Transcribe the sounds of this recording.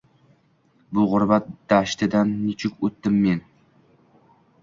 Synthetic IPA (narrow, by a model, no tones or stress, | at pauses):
bʊʁʊɾbat̪̚d̪̥aʃt̪ʰɪd̪anːɪt͡ʃʰɪkʲot̪ːɪmːe̞n